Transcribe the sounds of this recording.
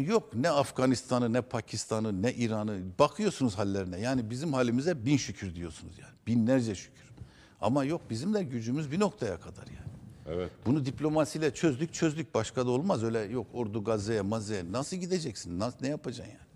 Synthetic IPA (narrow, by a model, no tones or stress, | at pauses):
jo̞knɛafɡanist̪ʰanɯnɛpʰacʰist̪ʰanɯnɛʔiɾanɯbakʰɯjo̞sunuzhalʲːeɾinɛjaːnibizimhaːlʲːimizɛbinʃycʰyɾd̪ijo̞sunṵzjaːnib̥inlʲæɾd͡ʒɛʃy̥cʰy̥ɾ̥ | a̰majo̞k̚bizimlʲæɾɟyd͡ʒymyzbino̞kt̪ʰajakʰad̪a̰ɾjaːnɪɛbunud̪iplʲo̞masijlʲɛt͡ʃʰøzd̪yc̚t͡ʃʰø̞zd̪yc̚ʲbaʃkʰad̪aolˠmazøjlʲɛjo̞koɾd̪uɡazejɛmazejɛnasɯlˠɟid̪ed͡ʒɛcsinːanɛjapʰad͡ʒanjaːni